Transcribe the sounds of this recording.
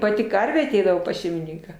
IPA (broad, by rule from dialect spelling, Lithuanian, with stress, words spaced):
ˈpɑːtʲɪ ˈkɐrʲʋʲeː ɐˈtʲɛɪdɐʋoː pɐs ʃʲɛɪmʲɪˈnʲɪŋkɑː